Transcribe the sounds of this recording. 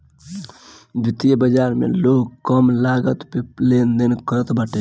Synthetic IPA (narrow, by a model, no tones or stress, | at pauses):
bɪt̪ijəbəd͡ʒaɾmḛloɡkəmlaɡət̪pelend̪enkəɾət̪bəʈe